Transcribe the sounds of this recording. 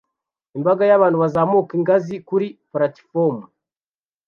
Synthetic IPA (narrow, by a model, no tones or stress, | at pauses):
imbaɡajaβaːnduβazaːmukiŋɡazikuɾipɾati̥fomu